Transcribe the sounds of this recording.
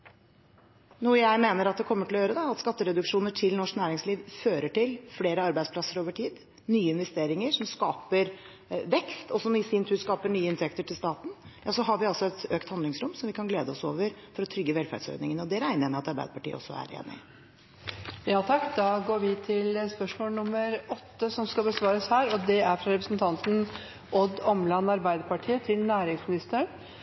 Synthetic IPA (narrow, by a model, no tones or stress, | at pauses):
nuːəjæɪmeːnəɾɑt̪̚d̪ɛkʰɔmːəʈʰɪlɔjøːɾəd̪ɛɑt̪skɑt̪ːəɾɛd̪ʉkʂuːnəʈʰɪlnɔʂknæːɾɪŋsliːʋføːɾəʈɪlfleːɾəɑɾbæɪspʰlɑsːəɾoːʋəʈʰiːd̪ | nyːəɪnʋɛst̪eːɾɪŋəʂɔmskɑːpəɾ | ʋɛkst̪ʰɔsɔmɪsɪnt̪ʰʉːɾskɑːpəɳyːəɪnt̪ʰɛkt̪əʈʰɪlst̪ɑːt̪n̩jɑːsɔɦɑɾʋɪɑlsɔɛt̪øːkt̪hɑnd̪lɪŋsɾʊmsɔmʋɪkʰɑnɡleːd̪əɔso̰ːʋəɾfɔɾɔt̪ʰɾʏɡːəʋɛlfæ̰ɖsœ̰ʏd̪nɪŋənɔd̪ɛɾæɪnəɾmɛɑt̪ɑɾbæɪd̪əpɑ̥ʈḭːə̰ɔ̰sːɔ̰æ̰ɾḛːnɪ̰ɪ | jɑːt̪ʰɑkːd̪ɑːɡoːɾʋɪt̪ʰɪlspœʂmoːlnʊmːəɾɔt̪ːəsɔmskɑlbəsʋɑːɾəshæːɾɔd̪ɛæɾfɾɑɾɛpɾəsnt̪ʰɑnt̪n̩ | ʔɔd̪ɔmlɑnɑɾbæɪd̪əɾpɑʈʰiːət̪ʰɪlnæːɾɪŋsmɪnɪst̪əəɳ